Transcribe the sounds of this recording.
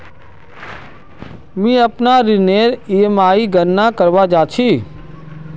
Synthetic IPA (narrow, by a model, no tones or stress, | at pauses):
mĩːəpnaːɾɪneːɾiemaːiɡənːaːkəɾʋaːd͡ʒaːt͡ʃʰiː